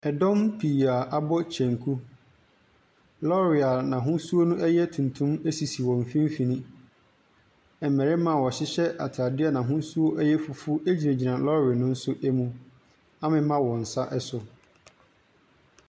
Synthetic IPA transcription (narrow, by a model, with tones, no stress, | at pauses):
ɛ˨dɔ̃˦mpʰiː˨a˨ʔa˦bɔ˦t͡ɕʰɛ̃˨ŋkʰu˦ | lɔ˦ɾɪ˨a˨nã˨ɦʊ̃˦su˦o˦nũ˦ʔɛ˦jɛ˦tʰũ˨ntʰũ˦me˦si˨si˨wɔ̃˨m˨fĩ˦m˦fĩ˨nĩ˦ | ɛ˨mɛ˨ɾɛ˦mã˦˨wɔ˨ɕɪ˦ɕɛ˦ʔa̰˨tʰaː˨dɪ˦ɛ˦nã˨ɦʊ̃˦n˦su˦o˦ʔɛ˦jɛ˦fʊ˨fʊ˦ʔe˦d͡ʑi˨nɛ̃˨d͡ʑi˨nã˨lɔ˦ɾɪ˨nʊ̃˦n̩˦sʊ˦ʔɛ˦mũ˦ | a˦mɪ̃˦mã˦wɔ̃˨n̩˨sa˦ʔɛ˦sʊ˨